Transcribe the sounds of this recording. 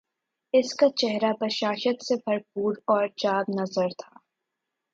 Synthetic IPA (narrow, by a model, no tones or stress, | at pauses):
ɪskat͡ʃɛɦɾabɐʃaːʃət̪sebʱɐɾpuːɾɔːɾt͡ʃaːbnɐzəɾt̪ʰaː